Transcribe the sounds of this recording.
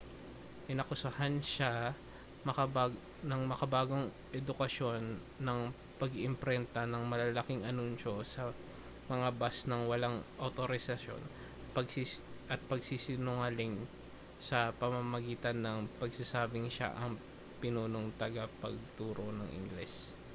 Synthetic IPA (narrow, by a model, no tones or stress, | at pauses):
ʔɪnɐkʊsɐhanʃa | mɐkɐba | nɐŋmɐkɐbaːɡo̞ŋ | ʔɛd̪ʊkɐʃo̞nː | ɐŋ | pɐɡʔɪmpɾɛnt̪ɐnɐŋmɐlɐlɐkɪŋʔɐnunʃo̞sɐ | mɐŋabasnɐŋwɐlaŋʔɐt̪oɾɪsɐʃjo̞̰n | pɐɡsiʔɐt̪̚pɐɡsisɪnʊŋalɪŋ | sɐpɐmɐmɐɡiːt̪ɐnːɐŋpɐɡsɐsaːbɪŋʃa̰ʔɐŋ | pɪnuːnoŋt̪ɐɡapɐɡ̚t̪uːɾo̞nɐŋʔɪ̰ŋɡlɛs